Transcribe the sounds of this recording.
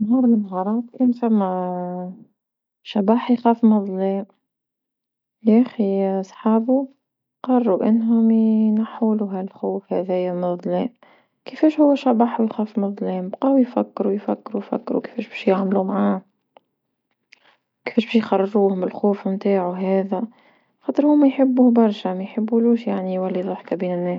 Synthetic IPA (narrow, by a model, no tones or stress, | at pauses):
nɦuːɾˤlɪnɦɑɾˤɑːt̪kæːnfæmːæ | ʃabaːħjxæːfmɑðˤliːm | jæxisˤħɑːbu | qɑrˤːuʔɪnːɦʊmnaħuːluɦælxoːfhæðijæmɑðˤliːm | kɪfɛːʃhʊwːæʃɑbɑːħwjxæːfmɑðˤlɛːmbqɑːwjfækːɾujfækːɾujfæ̰kːɾuke̥fɛːʃbɛːʃjaʕmlumʕaː | kɪ̥fɛːʃbɛːʃjxɑrˤːɑʒuːhʊmbɪlxoːfmt̪aːʕuɦæːðæ | xɑt̪ˤɨɾhʊmːæjħɪbːubɑɾˤʃæmæjħɪbːuluːʃjaʕnijwælːiðˤʊħkabiːnɪnːɛːs